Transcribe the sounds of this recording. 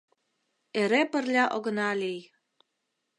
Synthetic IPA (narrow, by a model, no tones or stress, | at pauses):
eɾepə̆rlʲɑʔoɣə̆nɑlʲij